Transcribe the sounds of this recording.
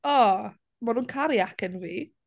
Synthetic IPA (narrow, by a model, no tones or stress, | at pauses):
ɔ | manuːnkʰaɾjakʰənviː